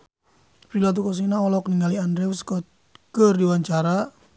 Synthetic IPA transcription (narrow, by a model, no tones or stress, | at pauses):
pɾilat̪̬ukɔs̬inaɔlɔkniŋɡaliandɾɛusk | kərdiwaɲt͡ʃaɾa